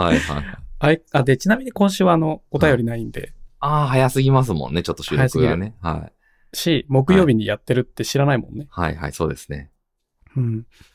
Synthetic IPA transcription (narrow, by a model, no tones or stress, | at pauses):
haiha̰ia̰aiad̪e̞t͡ɕinamʲiɲ̟ikõɰ̃ɕ̬ɨːβaːno̞ot̪ajo̞ɾʲinaĩnd̪e̞̰aːɦajasɨɡʲimas̬ɨmõ̰nːe̞t͡ɕo̞t̪ːo̥ɕɨːɾhaojasɨɯɡiɡɾa̰ne̞ha̰ḭ | ɕimo̞kɯ̟jo̞ːbʲiɲ̟ijat̪ːe̞ɾɯ̟t̪ːe̞ɕiɾanaimõ̞̰nːe̞ha̰iha̰iso̞̰ːd̪e̞sɨ̥ne̞̰ | ɯ̟̃ːɴ